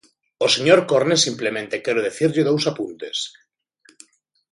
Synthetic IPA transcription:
oseɲoɾkoɾnesimplemẽnt̪ekɛɾoð̞eθiɾʎɪðowsapunt̪es

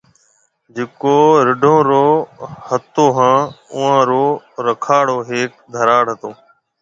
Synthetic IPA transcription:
d͡ʒeːkoːɾɪɖʱõːɾoːhət̪oːɦãːʊãːɾoːɾəkʰaːɽoːɦeːk̚d̪ʱəɾaːɽɦət̪oː

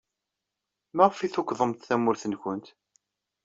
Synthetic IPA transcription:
mæʁfiθʊkːðˤəmt̪θæmːʊɾθənkʷʊnt̪

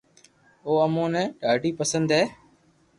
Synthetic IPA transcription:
oːəmõːnɛ̃ːɗaːɖiːpəsə̃nd̪ɦeː

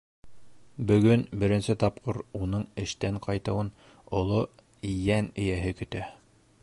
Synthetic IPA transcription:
bɵ̆ɡɵnbɘ̆ɾɘ̆nsɘt̪ɑp̚qʰoɾunɤɴɘ̆ʃt̪æɴqʰɑjt̪ɤ̆wɤn | ŏlˠo | ijænɘ̆jæɦɘkɵ̆t̪æ

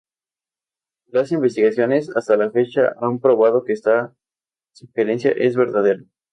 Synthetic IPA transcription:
lasimbest̪iɣasjo̞ne̞sast̪alafe̞t͡ʃaʔampɾo̞βað̞o̞keest̪a | siŋxeɾe̞nsja̰ʔe̞zβe̞ɾðaðe̞ɾa

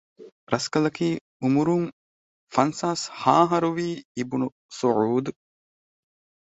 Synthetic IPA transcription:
ɾʔɐskɐlɐkiː | umuɾuŋ | fɐnsaːshaːɦɐɾuʋiːibunu | suʕuːd̪u

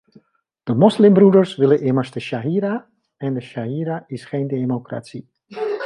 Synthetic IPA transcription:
d̥əmɔslɪmbrudərsʋɪləʔɪməɹsdəʃaɦiːɾa | ɛndəʃaɦiːɾaɪsχeːndemokra̰si

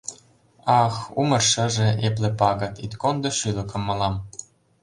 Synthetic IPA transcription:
ɑxumɤ̆rʃə̆ʒĕʔeplĕpɑɣɤ̆t̪it̪kond̪ɤ̆ʃylɤ̆kɤ̆mːɑlɑm

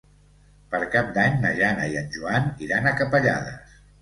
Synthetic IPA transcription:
pəɾkap̚d̪aɲnəʒanəiənʲʒuaniɾanəkəpəʎa̰ðə̰s

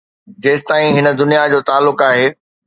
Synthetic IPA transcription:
d͡ʑeːst̪aːĩɦɪnə̆d̪ʊnijad͡ʑoːt̪aːlːʊkaːɦeː

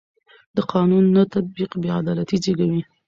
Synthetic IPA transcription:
d̪əqʰɑnunːat̪at̪̚biqbead̪ɑlat̪id͡ʒeɡawi

